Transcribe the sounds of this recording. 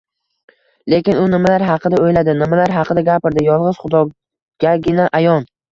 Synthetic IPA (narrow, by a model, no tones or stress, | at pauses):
le̞kʲɪnʊnɪmalaɾɦɑqɨd̪aojlad̪ɪnɪmalaɾɦɑqʰɨd̪aɡʲapɪɾd̪ɪjɒlˠʁɨzχʊd̪ɒ | ɡ̥ʲaɡʲɪnaʔajɒn